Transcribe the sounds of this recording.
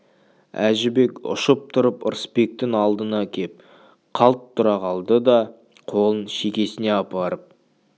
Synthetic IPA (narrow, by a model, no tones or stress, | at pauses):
æʒɪbe̞kʲʊ̰ʃəp̚t̪ʰʊɾəpə̰ɾspe̞k̚t̪ɪŋɑlˠd̪ənɑkʲʰe̞p̚ | qʰɑlˠt̪ʰːʊɾɑʁɑlˠd̪əd̪ɑ | qʰo̞lˠənʃe̞kʲe̞sɪne̞ɑpɑɾəp̚